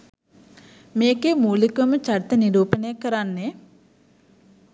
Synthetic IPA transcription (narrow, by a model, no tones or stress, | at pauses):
meːkemuːlikʋəmət͡ʃaɾit̪əniɾuːpənəjakːəɾanːe